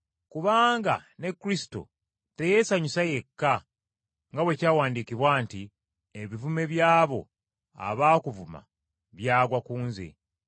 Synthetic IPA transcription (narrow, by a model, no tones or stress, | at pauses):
kuβaːŋɡa̰ne̞kːɾisi̥to̰ | te̞je̞saɲusaje̞kːa | ŋɡawe̞caːwaːndikiβwaːnti | eβivume̞βjaːβo̞̰ | a̰βaːkuvuma̰ | βjaːɡwakuːnzḛ